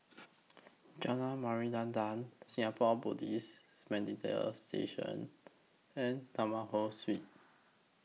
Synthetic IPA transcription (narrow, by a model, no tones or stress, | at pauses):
d͡ʒanamaɹidãndãnsĩŋapʰɔbudis | smɛ̃nditʰḛlstḛʃə̰̃n | ɛ̃ntamahoswit̚